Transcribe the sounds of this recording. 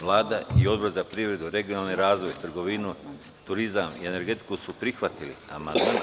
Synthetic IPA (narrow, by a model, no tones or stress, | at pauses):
ʋlˠaːd̪aio̞d̪boɾzapɾiʋɾe̞d̪uɾe̞ɡijonalneɾaːzʋo̞jt̪r̩ɡo̞ʋinu | t̪uɾizamiene̞ɾɡe̞t̪i̥kusupɾixʋat̪ilḭa̰ma̰nd̪maː